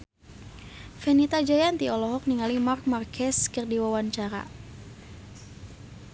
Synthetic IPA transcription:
fɛnit̪ad͡ʒajant̪iɔlɔɦɔk̚niŋalimark̚markʰɛskərdiwawant͡ʃaɾa̰

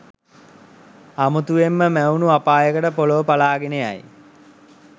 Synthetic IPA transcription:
amut̪uʋemːəmæwnuapaːjəkəʈəpoloʋəpalaːɡeneja̰j

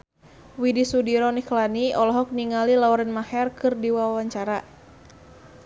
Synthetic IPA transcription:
widisudiɾɔniklaniɔlɔɦɔk̚niŋalilaɔɾənmahɛrkɨrdiwawaɲt͡ʃaɾa

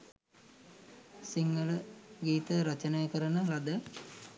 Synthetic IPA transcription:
siŋɡələɡiːt̪əɾɐt͡ʃənejəkəɾənəlad̪ə

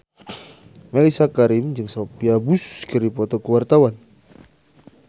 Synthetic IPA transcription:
melisakaɾɪmd͡ʒɨŋsopiabuskɨripɔt̪ɔkəwart̪awan

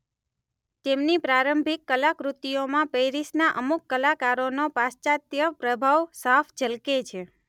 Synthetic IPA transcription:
t̪emnipɾaɾəmbʱikːəlakɾut̪ijomãpeɾisnaʔəmukːəlakaɾonopast͡ʃat̪jəpɾəbʱaʋsaft͡ʃəlket͡ʃʰe

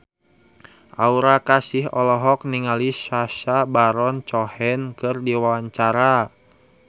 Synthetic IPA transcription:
ʔauɾakasɪɦɔlɔɦɔk̚niŋalisaʃabaɾɔnt͡ʃɔhɛnkɨrdiwawaɲt͡ʃaɾa

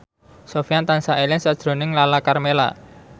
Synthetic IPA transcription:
sofjant̪ansaʔelɪŋsad̥ʒ̥ɾo̤nɪŋlalakarmela̰

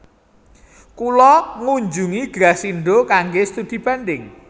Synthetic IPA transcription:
kulɔŋuɲd͡ʒuŋiɡ̥ɾasiɳɖokaŋɡest̪ud̪̥i̤b̥a̤nɖɪŋ

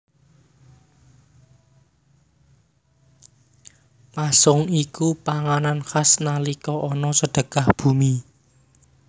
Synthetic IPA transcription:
pasʊŋikupaŋananxasnalikɔʔɔnɔsəɖ̥ə̤ɡ̥ahb̥ṳmi

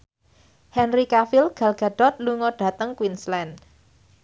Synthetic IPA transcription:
hɛnrikafilɡ̥a̤lɡ̥a̤d̥ɔt̪̚luŋɔɖ̥a̤t̪əŋkwinslɛn

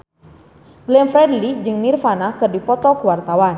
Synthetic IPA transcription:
ɡlɛnfɾɛdlid͡ʒɨŋnirfanakɨrdipɔt̪ɔkuwart̪awan

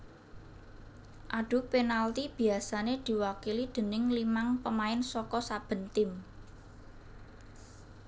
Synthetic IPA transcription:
ʔaɖ̥ʊ̤penalt̪ib̥i̤asaned̪̥i̤wakilid̪̥ə̤nɪŋlimaŋpəmaɪnsɔkɔsab̥ə̤nt̪ɪm

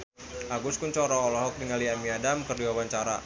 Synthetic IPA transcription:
ʔaɡuskuɲt͡ʃɔɾɔːlɔɦɔk̚niŋaliamiadamkərdiwawaɲt͡ʃaɾa̰

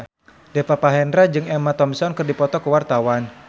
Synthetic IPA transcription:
depapaɦɛndɾad͡ʒɨŋɛmat̪ɔmsɔnkərdipɔt̪ɔkəwart̪awan

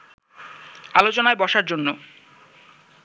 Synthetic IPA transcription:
alot͡ɕonaebɔʃaɾd͡ʑonːo

